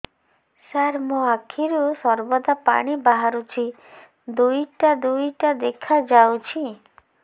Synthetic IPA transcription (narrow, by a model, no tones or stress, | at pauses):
saɾmũakʰiɾusɔɾbɔd̪apa̰ɽ̃ibaɦaɾut͡ʃʰi | d̪ujʈad̪ujʈad̪ekʰad͡ʒawt͡ʃʰi